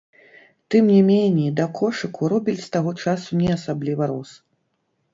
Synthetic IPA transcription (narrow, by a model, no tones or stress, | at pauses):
t̪ɨmnʲɛmʲenʲːɛd̪ɐkʰɔʂɨkuɾɔbʲilʲst̪aɣɔt͡ʂasunʲɛɐsablʲivɐɾɔs